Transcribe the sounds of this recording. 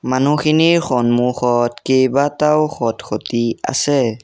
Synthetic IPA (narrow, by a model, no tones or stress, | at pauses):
manuxʰiniɹxɔnmuxɔtkejbatawxɔtxʰotia̰sɛ